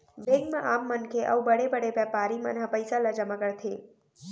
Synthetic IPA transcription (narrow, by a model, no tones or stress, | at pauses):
ʋeɡmãʔaːmːənkʰeʔə̰ubəɽebəɽeʋɛpaːɾimə̰nɦãpəjsalad͡ʒəmaɡəɭt̪ʰe